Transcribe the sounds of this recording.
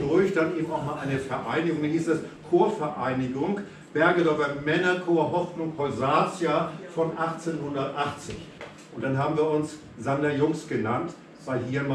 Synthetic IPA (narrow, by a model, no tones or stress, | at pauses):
d̥ʊɐçd̥anʔeːbm̩aʊxmalʔaɪnəfɛɐʔaɪnɪɡʊŋdanhiːstɛskʰoːɐfɛɐʔaɪnɪɡʊŋ | b̥ɛɐɡədɔɡɐmɛnɐkʰoːɐɦɔfnʊŋpʰɔlzaːt͡sjafɔnʔaχt͡seːnhʊndɐtʔaχt͡sɪ̰ç | ʔʊntd̥anɦaːbm̩viːɐʊns | z̥andajʊŋsɡ̥ənant | v̥aɪlɦiːɐma